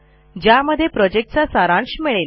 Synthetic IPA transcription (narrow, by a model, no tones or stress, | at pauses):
d͡ʑjaməd̪ʱːjepɾɔd͡ʑek̚ʈ̚t͡sasaɾãɳɕmeɭe